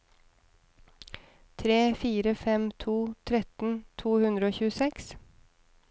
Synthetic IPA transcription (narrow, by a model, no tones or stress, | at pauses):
t̪ʰɾeːfiːɾəfɛmt̪ʰuːt̪ʰɾɛt̪n̩t̪ʰuːhʉnd̪ɾəoːçʉːəsɛks